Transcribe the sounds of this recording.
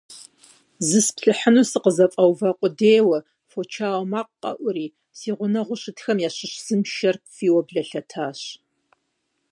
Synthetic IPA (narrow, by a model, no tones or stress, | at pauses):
zɨspɬɨħənuːsɨqəzɐfʼɐwvɐqʷʼʊdeːwɐ | fot͡ʃʰaːwmaːqqʼːɐ̰ʔʷʊɾiː | siːʁʷʊnɐʁʷʊɕɪtʰxɐmjaːɕɪʃz̥ɨmʃɐrfiːwɔbɮɐɬɐtʰaːɕ